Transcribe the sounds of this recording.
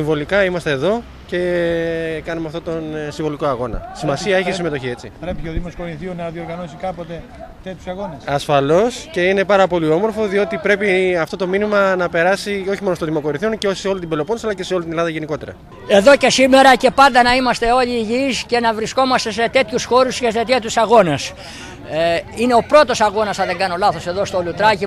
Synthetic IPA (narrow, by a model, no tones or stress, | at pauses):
siɱvo̞likɐimɐst̪eːðo̞ | ce̞ | kɐnumeɐft̪ot̪o̞nsiɱvo̞liko̞ɐɣo̞nɐ̰simɐsiɐeçisime̞t̪oçie̞t͡sḭpɾepieoðimoskoɾiθionɐðio̞ɾɣɐno̞sikɐpot̪e̞ | t̪e̞t̪çjusɐɣo̞nesɐsfɐlo̞sce̞ine̞pɐɾɐpo̞lio̞mo̞ɾfo̞ðio̞t̪ipɾe̞piɐft̪o̞t̪o̞minimɐnɐpe̞ɾɐsioçimonost̪oðimo̞ko̞ɾinθio̞nceoseo̞lint̪imbe̞loponsɐlɐce̞seo̞lit̪inelɐðɐʝeniko̞t̪e̞ɾɐ̰ | e̞ðo̞ce̞sime̞ɾɐce̞pɐnd̪ɐnɐimɐst̪e̞o̞ʎiːʝisce̞nɐvɾisko̞mɐst̪e̞se̞t̪e̞t̪çusxo̞ɾusceset̪et̪usɐɣo̞nes | ine̞o̞pɾo̞t̪o̞sɐɣo̞nɐsɐðeŋɡɐno̞lɐθo̞se̞ðo̞st̪olut̪ɾɐci